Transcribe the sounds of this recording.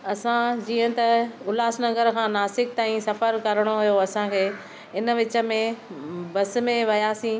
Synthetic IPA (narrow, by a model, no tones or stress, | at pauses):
ɐsãd͡ʑiːə̃t̪ɐʊlaːsnɐɡəɾkʰãːnaːsɪk̚t̪aːĩsɐfəɾkɐɾəɽ̃oɦʊjoɐsãkʰeː | ɪn̆ʋɪt͡ɕə̆mẽbɐs̆mẽʋɐjaːsĩː